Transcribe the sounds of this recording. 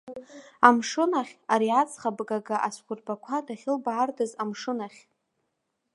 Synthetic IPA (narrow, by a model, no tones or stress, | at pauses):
amʂɨnaχʲaɾiat͡sʰχabɡaɡaʔaskʷʊrbakʷʰadaχʲɪlbaːrdɨzamʂɨnaχʲ